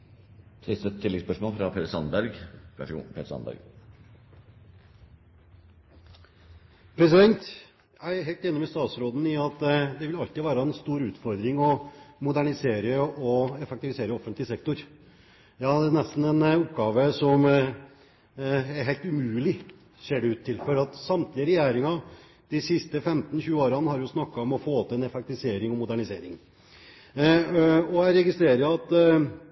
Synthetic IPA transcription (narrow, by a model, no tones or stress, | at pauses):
sɪst̪ət̪ʰːɪlːɛɡspœʂmɔːlfɾɑpʰeːɾəsɑnbæɾɡ̰ː | pʰeːt̪sɑ̰nbæ̰ɾɡ | pʰɾɛsɪd̪ɛnt̪ | jæɪɦæɪlt̪jɛnːɔmɪst̪ɑːt̪sɾoːd̪n̩ɪɑt̪ːd̪ɛʋɪlɑlt̪ɪʋæːɾɑɛnst̪uːɾʉːt̪fɔɾd̪ɾɪŋɔmʊd̪æɳɪseːɾəɔɛfɛkt̪ɪʋɪseːɾəɔfːənt̪lɪsɛkt̪ʊɾ | jɑːd̪ɛnɛst̪n̩ɛnʊpɡɑːʋəsɔm | ɛɾɦæɪt̪ʉmʉːlɪ | seːɖɛʉːt̪ʰːɪlfɔɾɑt̪sɑmt̪ʰlɪəɾɛjæːɾɪŋɑ | d̪̥ɪsɪst̪əfɛmt̪n̩çʉːəoːɾɑnəhɑɾjʊsnɑkːɑɔmɔfoːt̪ʰːɛnɛfɛk̚t̪ɪʋɪseːɾɪŋɔmʊd̪æɳɪsḛːɾɪŋ | ɔæɪɾɛɡɪst̪ɾeːɾəɑt̪ː